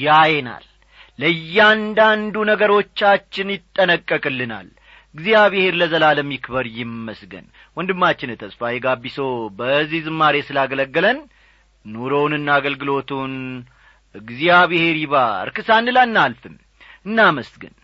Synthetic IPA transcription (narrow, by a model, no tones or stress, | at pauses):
jajena̰lː | əjːɛand̪and̪unəɡəɾo̞t͡ʃːat͡ʃːɪnjɪt̪ʼːənəkʼːəkʼɨlːɨna̰l | ɨɡzijaβihe̞ɾləzəlaləmːikβəɾjɪmːəsɡə̰n | wɔnd̪ɨmːat͡ʃːɪnet̪ʰəsfajɛɡabːisowbəzːihzɨmːaɾesɨlaɡələɡːələn | noɾownɨnːaːɡəlɡɨlo̞t̪ʰun | ɨɡzijaβihe̞ɾiβa̰ɾkɨsanːɨlanːalfɨm | ɨnːaməsɡə̰n